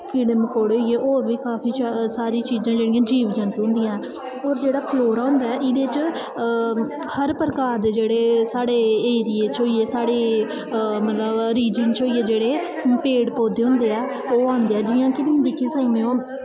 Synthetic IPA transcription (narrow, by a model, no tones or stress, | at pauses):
kɪɽəmkoːɽeɦoieːʔoːɾʋiːkaːpʰiːt͡ʃsaːɾiːt͡ʃiːzãːd͡ʒeːɽɪjãːd͡ʒiːʋd͡ʒə̃nt̪ɦʊ̃nd̪ɪijãɛː | ɔːɾd͡ʒeːɽaːpʰloːɾaːʊ̃nd̪aːɛːʔɪd̪eːɪt͡ʃ | həɾpəɾəkaːɾd̪eːd͡ʒeːɽeːsaːɽeːeːɾijeːt͡ʃoːieːsaːɽeː | mət̪ləbɾiːd͡ʒənt͡ʃoːiːeːd͡ʒeːɽeːpeːɽpoːd̪eːɦʊ̃nd̪eːɛː | oːãːnd̪eːɛːd͡ʒɪːãːkɪd̪ɪd̪ɪkʰiːsaːineːõː